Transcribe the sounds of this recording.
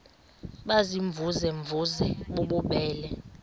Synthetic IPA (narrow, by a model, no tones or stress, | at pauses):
ɓaziɱb̪vuzɛɱvʱuzɛɓoɓuɓɛːlɛ